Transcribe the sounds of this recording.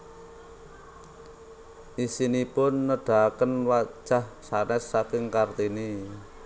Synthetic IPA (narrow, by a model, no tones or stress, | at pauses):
ʔisinipʊnːəɖ̥a̤kənwḁʒ̥ahsanɛsːakɪŋkart̪ini